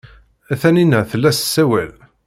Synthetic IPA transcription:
æθæninəθəlːæssːæwæ̰l

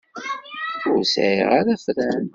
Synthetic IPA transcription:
ʊɾsʕḭʁaɾæfɾæn

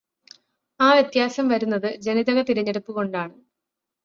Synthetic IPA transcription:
aːʋje̞t̪jaːsɐmʋɐɾunːɐðɨd͡ʑe̞niðɐɣɐt̪iɾiɲːe̞ɽupːuɣo̞ɳɖaːɳɨ

